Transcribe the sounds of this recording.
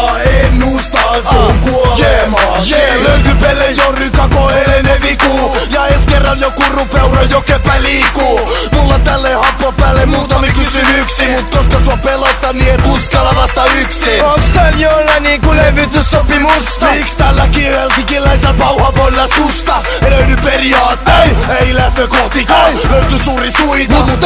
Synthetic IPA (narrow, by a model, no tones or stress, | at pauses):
ennust̪ɑokuoemjeløyt̪ypelːejorykɑkoeleneʋikuːjɑenskerːɑnjokurupeurojokepːæliːkuːmulːɑt̪ælːehɑpːopːæːlːemmuːt̪ɑmikysynyksimut̪koskɑsɑpelot̪ːɑniet̪uskɑlːɑʋɑst̪ɑyksiokst̪ænjolːæniːŋkuleʋːyt̪yssopimusikst̪ælːækiensikilːæisæpɑuɑpolːɑsust̪ɑ | løynyperiɑːt̪ːeieilæht̪økoht̪ikɑːløyt̪ysuːrisuit̪ut̪ː